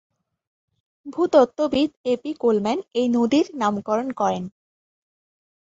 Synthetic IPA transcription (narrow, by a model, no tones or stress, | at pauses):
bʱut̪ɔt̪ːobid̪epikolmɛnejnod̪iɾnamkɔɾonkɔɾen